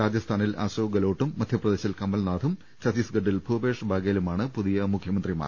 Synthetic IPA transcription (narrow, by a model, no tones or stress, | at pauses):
ɾaːd͡ʑjɐst̪ʰaːnila̰ːɕoːɡɐlo̞ːʈːumːɐd̪ʱjɐprɐd̪eːɕɐlkɐmːɐlnaːd̪ʱum | t͡ɕɐsiːsɡɐɖːilbʱubeːʂɐbʱaːɡɐjlumaːɳɨpuðijɐmukʰjɐmɐnd̪rima̰